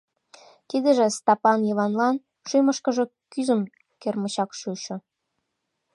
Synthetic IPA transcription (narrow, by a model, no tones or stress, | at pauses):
kid̪əʒĕst̪ɑpɑnjɤβɑnlɑn | ʃyməʃkə̆ʒe̽ | kyzə̆m | kermə̆ɕɑkʃuɕŏ